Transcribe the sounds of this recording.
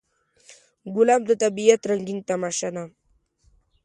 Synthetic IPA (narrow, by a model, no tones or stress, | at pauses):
ɡulamd̪ət̪abijat̪ɾaŋɡiŋt̪amaʃanam